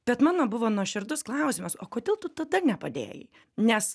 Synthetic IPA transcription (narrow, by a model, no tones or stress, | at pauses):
b̥ʲɛt̪mɑːnoːbʊʋoːnuɔʃʲɪɾd̪ʊsklˠɑˑʊsʲɪmʊsoːkoːd̪ʲeːlˠt̪ʊt̪ɐd̪ɐnʲɛpɐd̪ʲḛːjɪ̰ | nʲɛs